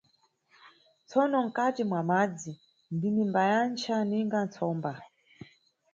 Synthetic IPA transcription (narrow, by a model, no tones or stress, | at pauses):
t͡sʰɔnɔŋ̩katimwamad͡zi | ndinimbajant͡ʃʰaniŋɡant͡sʰɔmba